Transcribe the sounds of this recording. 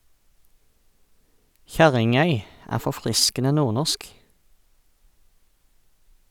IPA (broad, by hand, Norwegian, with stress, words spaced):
ˈçæʁɪŋˌœʏ ˈæː fɔˈfʁɪskənə ˈnuːʁˌnɔsk